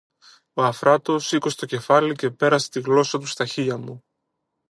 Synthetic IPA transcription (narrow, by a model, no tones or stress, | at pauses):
oɐfɾɐt̪o̞sikoset̪o̞ce̞fɐlice̞pe̞ɾɐse̥t̪iɣlo̞sɐt̪ust̪ɐçiɐmu